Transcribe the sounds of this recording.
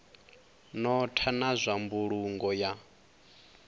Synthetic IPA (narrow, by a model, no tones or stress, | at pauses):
nɔtʰanazʷambuɺuŋɡɔja